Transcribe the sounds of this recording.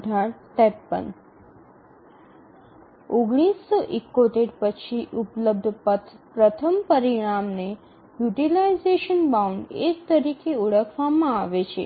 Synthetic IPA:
ɖʱaɽsʈ̪ɛpːə̰n | oɡɽ̃isːɔʔɪkːot̪eɾpət͡ʃʰiʔupləb̚d̪ʱpət̪ʰpɾət̪ʰəmpəɾiɽ̃amne | juʈilaizeʃənbauɳɖed͡ʒt̪əɾikeuɽəkʰʋamãaʋet͡ʃʰḛ

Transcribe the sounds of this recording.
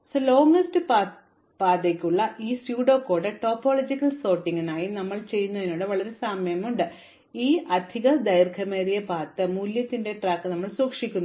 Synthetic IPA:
slo̞ːŋɐstɨ | paːd̪ekʲːuɭːɐʔiːsjuːɽo̞ːkːo̞ːɽɐʈo̞ːpːo̞ːlod͡ʑikʲːɐlso̞ːrʈːiŋːinaːjinɐmːɐɭt͡ɕe̞jːunːuɐðinuːɽɨʋɐɭɐɾesamjɐmuɳɖɨ | iːʔɐd̪ʱiɣɐd̪ɐjrkʰɐmeːɾijɐpaːt̪ːɐmuːljɐt̪ːinde̞ʈraːkːɨnɐmːɐɭsuːkʂikʲːunː

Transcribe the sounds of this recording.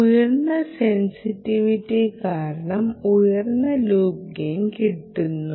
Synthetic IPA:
ujɐrnːɐsensitːiʋitːikaːɾɐɳɐmujɐrnːɐluːk̚ɡenkiʈːunːu

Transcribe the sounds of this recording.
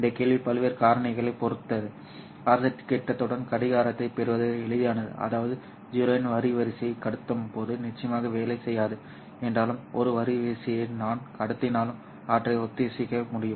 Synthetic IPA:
ɪnd̪ɐkeːɭʋipɐlʋeːɾkaːɾɐɳɪɣɐɭɐɪpɔɾɯt̪ːɐðɯ | aːɾsɐʈːkɛʈːɐt̪ːɔɽɐnkɐɽɪɣaːɾɐt̪ːɐɪpɛɾɯʋɐðɯɛɭɯðɪjaːnɐðɯ̰ʔɐ̰ðaːʋɐðɯ | d͡ʒʊɾɐnʋɐɾɪʋɐɾɪsɪjɐɪkɐɽɯt̪ːɯmpoːðɯnɪt͡ʃːɐjɐmaːɣɐʋeːlɐɪsɛjːaːðɯ | ɛndraːlɯmɔɾɯʋɐɾɪʋɐɾɪsɪjɐɪnaːnkɐɽɯt̪ːɪnaːlɯm | aːʈrɐɪʊt̪ːɪjɐsɪkːɐmʊɽɪjɯm

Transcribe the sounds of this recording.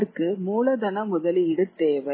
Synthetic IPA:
ɾkɯmuːlɐd̪ɐnɐmʊðɐliɪɽɯt̪ːeːʋɐ

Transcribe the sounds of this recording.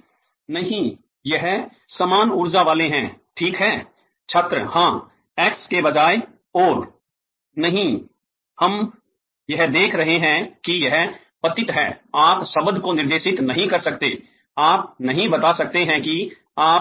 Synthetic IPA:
nɐɦĩ | jɐɦ | sɐmaːnʊɾd͡ʒaʋaːleɦɛ̃ːʈʰiːkɦɛː | t͡ʃʰɐt̪ɾəhãː | ɛːkskebɐd͡ʒaːe | ɔːɾ | nɐɦĩ | hɐm | jɐɦd̪eːkʰɾɐɦeɦɛ̃kijɛɦ | pɐt̪ɪt̪ɦɛ̰ːaːpsɐbəd̪ʱkonɪɾd̪eːʃɪt̪nɐɦĩkɐɾsɐkt̪ḛ | aːp̚nɐɦĩbɐt̪asɐk̚t̪eɦɛ̃ki | aː

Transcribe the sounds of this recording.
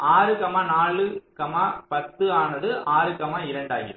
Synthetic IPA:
aːɾɯkɐmaːnaːɭɯkɐmaːpɐt̪ːɯaːnɐðɯʔaːɾɯkɐmaːɪɾɐɳɖaːjɪ̰ɾɯ

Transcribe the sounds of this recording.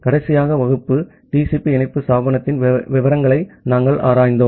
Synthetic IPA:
kɐɽɐɪsɪjaːɣɐʋɐɣɯpːɯ | ʈiːsipːiɛɳɐɪpːɯsaːbɐnɐt̪ːɪnʋɪʋɐɾɐŋɡɐɭɐɪnaːŋɡɐɭʔa̰ːɾaːjnd̪oːm

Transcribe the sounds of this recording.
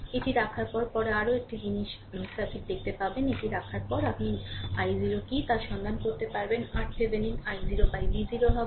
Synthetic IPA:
eʈiɾakʰaɾpɔɾpɔɾeaɾoek̚ʈid͡ʑiniʃ | sɾat̪ʰikd̪ek̚ʰt̪epaɾbeneʈiɾakʰaɾpɔɾapniajziɾokit̪aʃɔnd̪ʱankoɾt̪epaɾbenaɾʈsebeninajziɾobajbiziɾoɦɔbe

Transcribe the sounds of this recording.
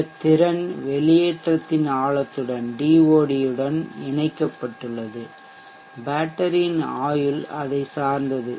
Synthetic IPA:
t̪ːɪɾɐnʋɛlɪjeːʈrɐt̪ːɪnaːɭɐt̪ːɯɽɐnɖiːʋoːɽɪjɯɽɐnɪɳɐɪkːɐpːɐʈːɯɭːɐðɯ | baːʈːɐɾinaːjɯlɐðɐɪsaːɾnd̪ɐðɯ

